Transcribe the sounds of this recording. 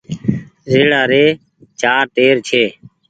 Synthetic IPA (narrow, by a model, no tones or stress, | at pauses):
zeːɽaːɾeː | t͡ʃaːɾt̪eːɾt͡ʃʰeː